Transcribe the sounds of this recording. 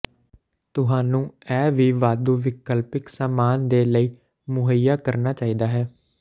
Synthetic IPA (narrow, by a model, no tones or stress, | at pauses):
t̪ʊɦaːnũːɛːʋiːʋaːd̪uːʋɪkəlpɪksaːmaːnd̪eːləiː | mʊɦəjaːkəɾnaːt͡ʃaːiːd̪aːɦɛː